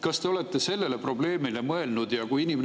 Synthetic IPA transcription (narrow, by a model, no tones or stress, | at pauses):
kɑst̪e̞o̞le̞t̪ːˑe̞se̞lːe̞le̞pro̞ble̞ːmile̞mɤe̞lnud̪jɑkujinime